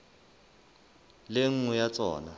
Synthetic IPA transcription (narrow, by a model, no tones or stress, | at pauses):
leŋ̩ujat͡sʼɔ̰ːna